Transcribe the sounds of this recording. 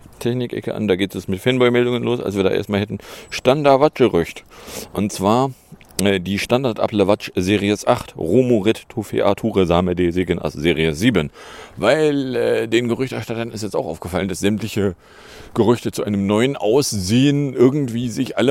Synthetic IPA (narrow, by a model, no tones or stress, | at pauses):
tʰɛçnɪkʔɛ̰kə̰ʔa̰ndaːɡeːtɛsmɪtfɛnbɔʏmɛldʊŋənloːsa̰lsviːɐda̰ːḛɐstmaːlhɛtn̩ʃtandaɐtvat͡ʃɡ̥əʁʏçtʔʊntt͡sv̥aːɐʔɛdiːʃtandaɐtʔa̰pləvat͡ʃzeːʁiəsʔaχtʁoːmoʁɪttʰofḛʔatʰuːʁəzaːmədeːzeːɡənʔa̰sz̥eːʁiəsz̥iːbənvaɪlʔɛːdeːnɡəʁʏçtɛɐʃtatɐnɪstjɛstaʊxʔaʊfɡ̥əfaləndasz̥ɛmtlɪçə | ɡ̥əʁʏçtət͡suʔaɪnəmnɔʏənʔaʊszeːənʔɪɐɡŋ̩tv̥iːzɪçʔalə